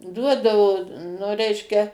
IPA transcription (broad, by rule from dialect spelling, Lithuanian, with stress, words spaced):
ˈduɔdɐʋoː nʊ ˈrʲɛɪʃʲkʲɛ